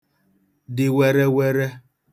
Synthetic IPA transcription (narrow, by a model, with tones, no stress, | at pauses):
dɪ˨wɛ˦ɾɛ˦wɛ˦ɾɛ˦